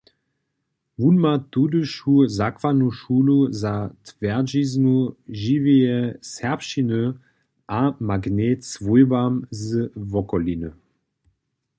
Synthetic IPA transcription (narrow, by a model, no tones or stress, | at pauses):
vunmat̪udəʃhuzakvanuʃuːluzat̪vɛʁd͡ʒiznuʒivejɛsɛpʃinə | ʔamaɡnɛt̪svujbamzvɔkɔlinə